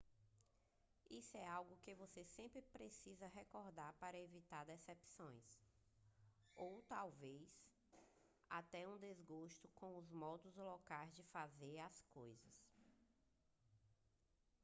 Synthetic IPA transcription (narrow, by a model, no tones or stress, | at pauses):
isʊɛawɡʊkɪvosesẽmpɾɪpɾesizɐɦɛkɔɾd̪aɾpaɾɐevit̪aɾd̪ɛsɛpsõj̃s | owt̪awvejs | at̪ɛũd̪ezɡoʃt̪ʊkõw̃ʊzmɔd̪ʊzlɔkajzd͡ʒɪfazeɾaskojzɐs